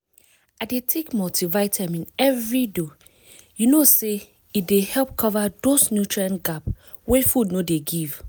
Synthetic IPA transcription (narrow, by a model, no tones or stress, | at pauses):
adetʰekmɔtivaɪtʰɛ̃mĩnɛvɹido | junose | it̚dehɛlp̚kʰɔvadosnjutɹiãnɡap | wefudnodeɡiv̥